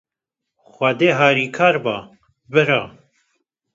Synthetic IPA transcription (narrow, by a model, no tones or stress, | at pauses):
xʷɐd̪eːɦaːɾiːkʰaːɾbaː | bɨɾaː